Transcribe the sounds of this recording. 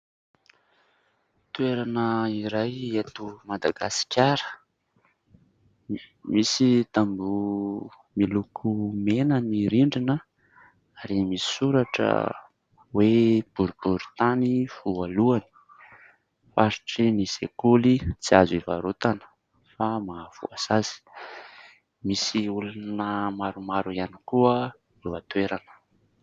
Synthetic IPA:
t̪ueɾanəiɾajet̪umad̪aɡasi̥kʲaɾə̥ | misit̪ambu | milukʰumenəniɾiɳɖ͡ʐinə | aɾimisi̥suɾaʈ͡ʂə̰ | web̥uɾib̥uɾi̥t̪anifualuani̥ | faɾiʈ͡ʂinisḛkulit͡siaziva̰ɾot̪anə̥ | famav̥ṵazaz̥i̥ | misiulunəmaɾumaɾuianikuə | lewat̪weɾanə̥

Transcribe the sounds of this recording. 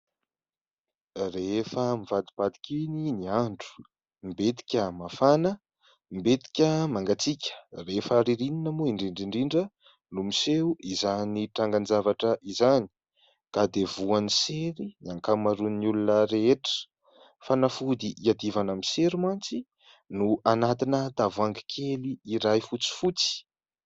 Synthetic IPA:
refəmivad̪ib̥ad̪i̥kʲininiaɳɖ͡ʐu̥ | mbet̪i̥kʲəmafanə | mbet̪i̥kʲəmaŋɡat͡sikʲʰə̥refaɾiɾininəmuiɳɖ͡ʐiɳɖ͡ʐiɳɖ͡ʐiɳɖ͡ʐə | numiseuʔizaniʈ͡ʂaŋɡanzavaʈ͡ʂəʔizani̥ | kad̪evuaniseɾinaŋkamaɾunnulunəɾeeʈ͡ʂə̥ | fanafud̪iʔiad̪ivanamiseɾimant͡si | nuanat̪inəd̪avaŋɡi̥kʰeliːɾajfut͡si̥fut͡si̥

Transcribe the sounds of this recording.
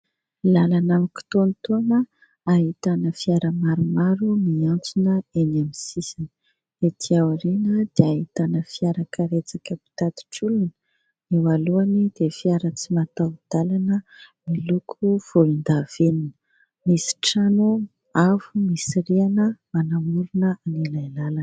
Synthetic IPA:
lalanamiki̥t̪ont̪onə | aɦit̪anəfiaɾəmaɾumaɾumiant͡sunəeɲamisisinə̥ | et̪ʰiawɾinəd̪̥eaɦit̪anəfiaɾakʰaɾet͡sakəpi̥t̪at̪i̥ʈ͡ʂulunə̥ | ewaluanid̪̥efiaɾət͡simat̪awd̪̥alanəmilukʰuv̥oind̪av̥eninə̥ | misi̥ʈ͡ʂano | avumisiɾianəmanamulunəanilajlalan

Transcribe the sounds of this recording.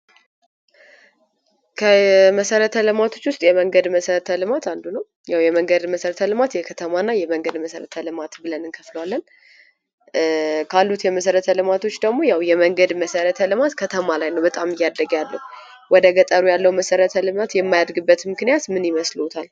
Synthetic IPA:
kʰəməsəɾət̪ʰəlɨmat̪ʰo̞t͡ʃːwʊst̪ʼjɛməŋɡəd̪məsəɾət̪ʰəlɨmat̪and̪unəw | jawjɛməŋɡəd̪məsəɾət̪ʰəlɨmat̪jɛkʰət̪ʰəmanːajɛməŋɡəd̪məsəɾət̪ʰəlɨmat̪bɨlənɨnkʰəfləwalːən | kʰalːut̪jɛməsəɾət̪ʰəlɨmat̪ʰo̞t͡ʃːd̪əɡmo̞jawjɛməŋɡəd̪məsəɾət̪ʰəlɨmat̪kʰət̪ʰəmalajnəwbət̪ʼamɨjːad̪əɡjalːəhu | wɔd̪əɡət̪ʼəɾujalːəwməsəɾət̪ʰəlɨmat̪jɛmːajad̪ɾɡɨbːət̪mɨknijat̪mɨnjɪməslɨwut̪ʰal

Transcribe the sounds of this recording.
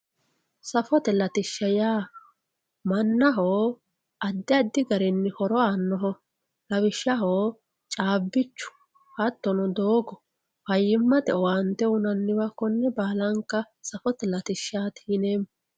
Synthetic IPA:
sɐfɔt̪ɛlɐt̪ɪʃːɐjaː | mɐnːɐɦoː | ɐd̪ːɪɐd̪ːɪɡɐɾɛnːɪhɔɾɔanːɔɦɔ | lɐwɪʃːɐɦoː | t͡ʃʼaːbːɪt͡ʃːʊ̥ | hɐt̪ːɔnɔd̪oːɡɔ | fɐjːɪmːɐt̪ɛwant̪ɛʊnɐnːɪwɐkːɔnːɛbaːlɐŋkːɐ | sɐfɔt̪ɛlɐt̪ɪʃːaːt̪ʰiːneːm

